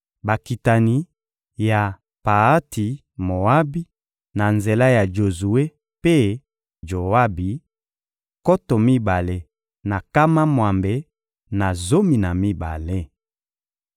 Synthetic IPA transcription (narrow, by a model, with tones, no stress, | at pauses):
ba˨ki˨ta˨ni˨ | ja˨ | pa˨a˦ti˨ | mo˨a˦bi˦ | na˨nze˨la˦ja˨d͡ʒo˨zu˨e˦ | pe˦ | d͡ʒo˨a˦bi˨ | ko˦to˨mi˦ba˨le˦ | na˨ka˦ma˦mwa˨mbe˨ | na˨zo˦mi˨na˨mi˦ba̰˨le˦